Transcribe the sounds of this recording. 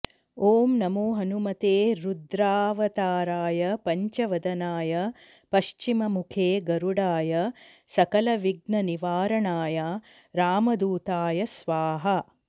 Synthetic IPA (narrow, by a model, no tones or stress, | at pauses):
oːmnɐmuːɦɐnumɐt̪eːɾud̪ɾaːʋɐt̪aːɾaːjɐpɐɲt͡ʃɐʋɐd̪ɐnaːjɐ | pɐʃt͡ʃimɐmukʰeːɡɐɾuɽaːjɐsɐkɐlɐʋiɡnɐniʋaːɾɐɳaːja | ɾaːmɐd̪uːt̪aːjɐsʋaːɦɐ